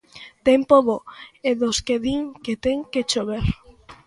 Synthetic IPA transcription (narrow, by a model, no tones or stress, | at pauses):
t̪empoβoeðoskeðiŋket̪eŋket͡ʃoβeɾ